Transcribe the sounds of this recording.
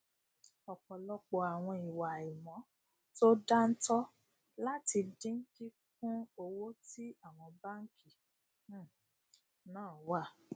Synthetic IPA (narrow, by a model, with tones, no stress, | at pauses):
ɔ˨k͡pɔ˨lɔ˧k͡pɔ˧a˨w̃ɔ̃˧i˨wa˨i˨mɔ̃˨˦ | to˦da˦n̩˦tɔ˦ | la˦ti˧dĩ˦n̩˦ɡi˦k̚ũ˦o˧wo˦ti˦a˦˨w̃ɔ̃˧ba˦ŋ̩˦ki˦˨˦ | nãː˦˨˦wa˦˨